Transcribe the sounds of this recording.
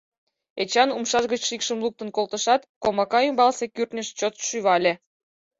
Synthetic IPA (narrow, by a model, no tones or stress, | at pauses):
et͡ɕɑnumʃɑʒɣət͡ɕʃikʃəmluk̚t̪ə̆nkolt̪əʃɑt̪komɑkɑymbɑlsekyrt̪nʲəʃt͡ɕot̪ʃyβɑlʲe